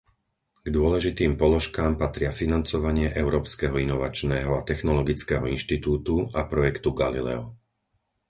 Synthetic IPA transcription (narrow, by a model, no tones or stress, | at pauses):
ɡ̥d̪ʊɔlɛʒit̪iːmpɔlɔʃkaːmpat̪ɾɪafinant͡sɔʋaɲɪɛʔɛʊɾɔːpskɛɦɔinɔʋat͡ʃnɛːɦɔat̪ɛxnɔlɔɡit͡skɛːɦɔinʃt̪it̪uːt̪uapɾɔjɛkt̪uɡalilɛ̰ɔ